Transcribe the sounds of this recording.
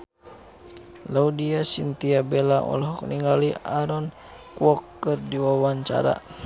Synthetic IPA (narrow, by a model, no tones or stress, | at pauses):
laudiasint̪iabɛlaʔɔ̰lɔɦɔkniŋɡaliaɾɔn | kwɔkːɨrdiwawaɲt͡ʃa̰ɾa̰